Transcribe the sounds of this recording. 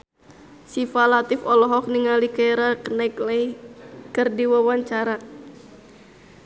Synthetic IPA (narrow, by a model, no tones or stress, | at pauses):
sifalat̪ɪfɔlɔɦɔk̚niŋalikajɾakənaiklɛikərdiwawaɲt͡ʃaɾa